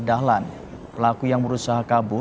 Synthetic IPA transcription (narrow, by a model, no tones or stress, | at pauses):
daɦlan | pəlakujaŋbəɾusaɦakabʊ